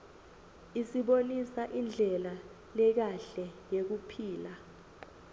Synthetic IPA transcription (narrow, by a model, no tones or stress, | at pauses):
isiɓonisaʔind͡ɮʱɛla | lɛk̬aɬɛjek̬upʰiːla